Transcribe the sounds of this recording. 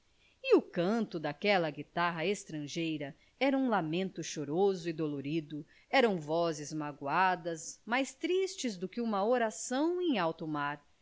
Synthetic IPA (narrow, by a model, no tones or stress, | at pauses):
ɪʊkɐ̃nt̪ʊd̪akɛlɐɡit̪aɦɐest̪ɾɐ̃ʒejɾɐ | ɛɾɐũlamẽnt̪ʊʃoɾozʊɪd̪oloɾid̪ʊ | ɛɾɐ̃w̃vɔzɪzmaɡwad̪ɐzmajst̪ɾist͡ʃɪzd̪ʊkɪũmɐoɾasɐ̃w̃ẽj̃awt̪ʊmaɾ